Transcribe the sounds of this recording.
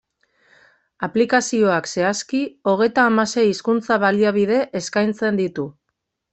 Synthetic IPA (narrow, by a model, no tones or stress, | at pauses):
aplikasio̞akse̞askio̞ɣ̞e̞jt̪aːmase̞jiskunt͡saβaliaβ̞ið̞e̞ʔeskajnt͡se̞nd̪it̪u